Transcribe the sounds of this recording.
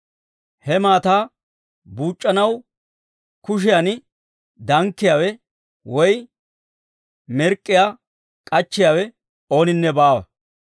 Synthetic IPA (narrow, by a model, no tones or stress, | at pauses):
hɛmaːt̪aː | buːt͡ʃʼːɐnɐw | kʊʃ̬ɪjɐn | d̪ɐŋkːɪjaːwɛ | wɔj | mɛɾkʼːɪja | kʼɐt͡ʃːɪjaːwɛ | o̞ːnɪnːɛbaːwɐ̰